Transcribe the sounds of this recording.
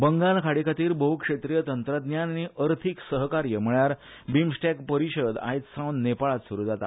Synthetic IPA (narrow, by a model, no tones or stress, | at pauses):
bəŋɡaɭkʰaɽikʰat̪iːɾbəɦukʂet̪ɾijət̪ənt̪ɾəd̪njanniʔəɾt̪ʰiksəɦkaɾjəm̤əɭjaɾ | bimsʈɛkpəɾiɕəd̪a̰jt̪sãwnːepaɭat̪suɾuːd͡zat̪a̰